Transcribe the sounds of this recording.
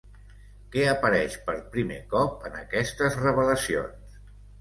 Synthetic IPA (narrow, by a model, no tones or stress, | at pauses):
kɛəpəɾɛʃpəɾpɾimḛkɔp̚ənəkɛst̪əzrəβələsio̰ns